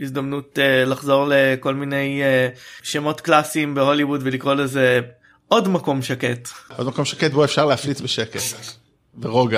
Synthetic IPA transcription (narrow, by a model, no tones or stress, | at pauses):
izd̪amnutelaχzo̞ʁle̞ko̞lmine̞jeʃemo̞tklasimbeho̞liwudvelikʁo̞leze | ʔo̞dmako̞mʃake̞tʔodmakomʃaket̚boefʃaʁleaflit͡sbeʃeket | beʁoɡa